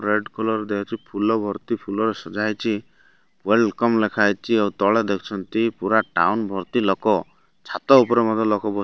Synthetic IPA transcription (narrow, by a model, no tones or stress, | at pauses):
ɾeɖkʰɔlɔɾed̪ekʰɔt͡ʃʰipʰulɔbʱɔɾt̪ipʰulɔɾesɔd͡ʒajt͡ʃʰi | welɖkɔmlekʰajt͡ʃʰiawt̪ɔɭed̪ekʰɔ̥t͡ʃʰɔnt̪ipuɾaʈa̰wnbʱɔɾt̪ilɔkɔ | t͡ʃʰat̪ɔupɔɾemɔd̪ʱɔlɔkɔbɔ